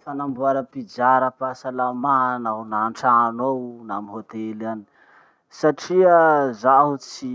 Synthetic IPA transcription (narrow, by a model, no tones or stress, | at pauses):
fanambuaɾəpid͡zaɾəpasalamanawnaɳʈ͡ʂanownamiɦot̪elani̥ | saʈ͡ʂiəzaɦut͡si